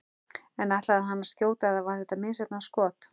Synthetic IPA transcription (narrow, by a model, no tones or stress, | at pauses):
ɛnat̪laaðɦanːḁscjoːwt̪aɛðavaɾ̥θɛht̪amɪːsɛp̪naskɔːt̪